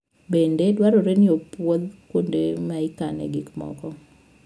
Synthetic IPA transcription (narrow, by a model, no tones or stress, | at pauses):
bendedwaɾoɾenɪopwoðkondemaikanɛ̰ɡikmɔ̰kɔ